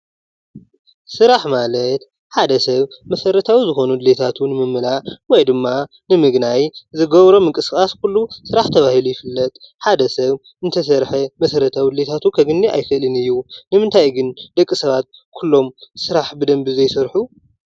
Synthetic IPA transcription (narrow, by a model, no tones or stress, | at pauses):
sɨɾaħmalɐt̪ | ħad̪ɐsɐβmɐsɐɾɐt̪ʰawizɨxo̞nud̪ɨle̞t̪ʰat̪ʰunɨmɨmːɨlaʔwɔjd̪ɨmːa | nɨmɨɡnajzɨɡɐβɾo̞mɨŋkʼɨskʼaskʰulːusɨɾaħt̪ʰɐβahilujɪfɨlːɐt̪ʼħad̪ɐsɐβ | ɨnt̪ʰɐs̬ɐɾħemɐsɐɾɐt̪ʰawid̪le̞t̪ʰat̪ʰukʰɐɡɨnːiʔa̰jkɨʔlɨnɨjːunɨmɨnt̪ʰajɡɨnd̪̥ɐkʼːisɐβat̪̚kʰulːo̞msɨɾaħbɨd̪ɐmbizɐjsɨɾħu